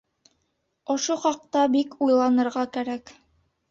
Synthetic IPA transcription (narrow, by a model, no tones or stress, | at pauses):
ŏʃoχɑq̚t̪ɑbikujlˠɑnɤ̆ɾʁɑkæɾæk